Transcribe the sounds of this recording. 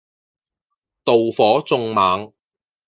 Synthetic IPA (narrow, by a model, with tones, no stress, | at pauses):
t̪o˨wfɔː˨˥t͡sʊ˧ŋmaː˨˥ŋ